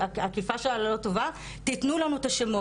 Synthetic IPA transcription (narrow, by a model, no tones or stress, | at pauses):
aakifaʃelallo̞t̪o̞va | t̪it̪nulanuet̪aʃemo